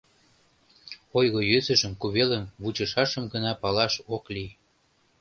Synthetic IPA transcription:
ojɣojøzə̆ʒəmkuβelənβut͡ɕə̆ʃɑʃəmɡənɑpɑlɑʃokli

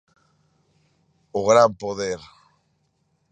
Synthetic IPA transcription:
ʊɣɾampoðeɾ

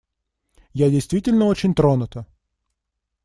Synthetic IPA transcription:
jadʲɪjst̪vʲitʲɪlʲnəot͡ɕɪnʲt̪ɾonʊt̪ə

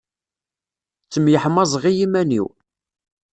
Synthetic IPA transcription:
t͡sːəmjəħmɑzˤʁijimænḭw

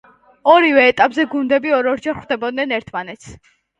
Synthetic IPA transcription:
ɔɾivɛːt̪ʼapʼzɛɡund̪ɛbiɔɾɔɾd͡ʒɛɾχwd̪ɛbɔd̪nɛnɛɾt̪ʰmanɛt̪sʰ

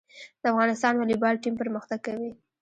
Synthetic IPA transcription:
d̪̥əafɣɑnɪst̪ɑnwalibɑlʈimpəɾməxt̪aɡ̚kawi

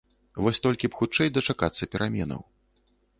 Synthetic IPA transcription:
vɔsʲt̪ɔlʲkʲipxut͡ʂɛjd̪ɐt͡ʂakat̪sːɐpʲɛɾʔamʲɛnɐ̰w

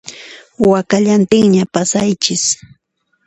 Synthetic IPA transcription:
wakaʎant̪ɪŋɲapasajt͡ʃɪs

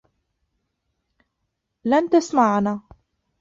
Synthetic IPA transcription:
lant̪asmaʕnaː

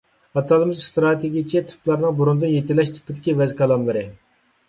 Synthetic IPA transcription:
ɑt̪ʰɑlˠɨmɨzst̪ɾɑt̪ʰeɡʲijt͡ʃʰɛt̪ʰy̥plˠɑɾnɨŋbuɾund̪ɨnjet̪ʰɪlːɛʃt̪ʰɪ̥pʰːɪd̪ɪkʲivɛzkʰɑlˠɑmlˠɨɾɨ

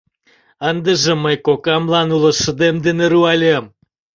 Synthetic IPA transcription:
ənd̪ə̆ʒə̆məjkokɑmlɑnulə̆ʃə̆d̪emd̪eneɾuɑlʲem

